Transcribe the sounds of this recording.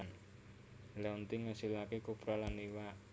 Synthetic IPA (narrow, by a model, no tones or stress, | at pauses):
n | lɛunt̪iŋasilakekupɾɔlanːiwa